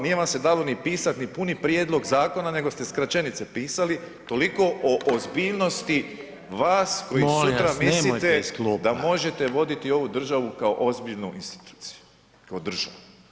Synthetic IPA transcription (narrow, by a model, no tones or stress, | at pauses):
nije̞ʋamse̞d̪alo̞nipiːsat̪nipunipɾje̞d̪lˠo̞ɡzaːko̞nane̞ɡo̞st̪e̞skɾat͡ʃenit̪se̞piːsali | t̪o̞liko̞ʔoʔozbiːʎno̞st̪i | ʋaːsko̞jisut̪ɾamislit̪ed̪amo̞ʒe̞t̪e̞ʋo̞d̪it̪io̞ʋud̪r̩ʒaʋukao̞ʔo̞zbiʎnuʔinst̪i̥t̪u̥ːt̪si̥ju̥ | kaod̪r̩ʒa̰ʋu